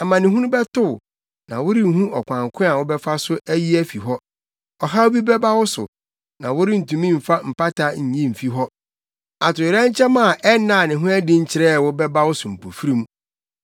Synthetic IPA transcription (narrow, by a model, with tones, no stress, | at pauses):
a˨mã˨nɪ̃˨ɦu˦ʊ̃˦bɛ˦tʊ˦˨ | nã̰˨wʊ˦ɾi˦˨˦hũ˦ʔɔ˨kʷʰã˨ŋ˨kʰʊ̃˦a˨wʊ˦bɛ˦fa˦sʊ˦ʔæ˦ji˦æ˦fi˨ɦɔ˦ | ɔ˨ɦa˦wʊ˦bi˦bɛ˦ba˦wʊ˦sʊ̰˨ | nã̰˨wʊ˦ɾɪ˦n̩˨tũ˨mĩ˦m̩˨fa˦m̩˨pa˦tʰa˦ɲ̩˨ɲĩ˦m̩˨fi˦ɦɔ˦ | a˨tʊ˨ɪ˨ɾɛ̃˦ɲ̩˦t͡ɕʰɛ˦mã˦˨ʔɛ˦nã˨nɪ̃˨ɦʊ̃˦æ˦dɪ̃˦ɲ̩˦t͡ɕʰɪ˨ɾɛ˦˨wʊ˦bɛ˦ba˦wʊ˦sʊ˨m̩˨pʰo˨fi˦ɾĩ˦m˦